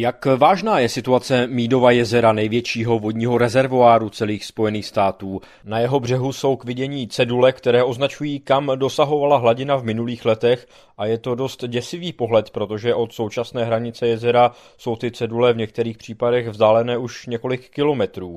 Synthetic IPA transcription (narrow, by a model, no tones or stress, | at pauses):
jakvaːʒnaːjɛsɪt̪uat͡sɛmiːdo̞vajɛzɛɾanɛjvjɛt͡ʃiːɦo̞vo̞dɲiːɦo̞ɾɛzɛɾvuaːɾut͡sɛliːxspo̞jɛniːxst̪aːt̪uː | najɛɦo̞br̝ɛɦuso̞wkvɪɟɛɲiːt͡sɛdulɛkt̪ɛɾɛːʔo̞znat͡ʃujiːkamdo̞saɦo̞valaɦlaɟɪnavmɪnuliːxlɛt̪ɛx | ʔajɛt̪o̞do̞st̪ɟɛsɪviːpo̞ɦlɛt̪pɾo̞t̪o̞ʒɛʔo̞t̪so̞wt͡ʃasnɛːɦɾaɲɪt͡sɛjɛzɛɾa | so̞wt̪ɪt͡sɛdulɛvɲɛk̚t̪ɛɾiːxpr̥iːpadɛɣvzdaːlɛnɛːʔuʃɲɛko̞lɪkːɪlo̞mɛt̪ɾuː